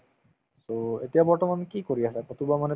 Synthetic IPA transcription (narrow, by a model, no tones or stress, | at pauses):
soet̪ijabɔɹtɔmankikoɾiasʰɛkot̪ubamane